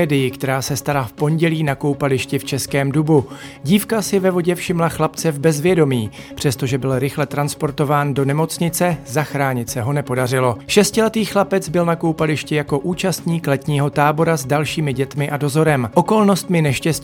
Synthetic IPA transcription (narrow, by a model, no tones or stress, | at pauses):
ɛːdɪjɪkt̪ɛɾaːsɛst̪aɾafpo̞nɟɛliːnako̞wpalɪʃcɪft͡ʃɛskɛːmdubu | ɟiːfkasɪvɛvo̞ɟɛfʃɪmlaxlapt͡sɛvbɛzvjɛdo̞miː | pr̝̥ɛst̪o̞ʒɛbɪlɾɪxlɛt̪ɾanspo̞ɾt̪o̞vaːndo̞nɛmo̞t͡sɲɪt͡sɛzaxɾaːɲɪt̪sɛɦo̞nɛpo̞darɪlo̞ʃɛscɪlɛt̪iːxlapɛt͡sbɪlnakowpalɪʃcɪjako̞ʔuːt͡ʃast̪ɲiːklɛt̪ɲiːɦo̞t̪aːbo̞ɾazdalʃiːmɪɟɛt̪mɪʔado̞zo̞ɾɛmʔo̞ko̞lno̞st̪mɪnɛʃcɛs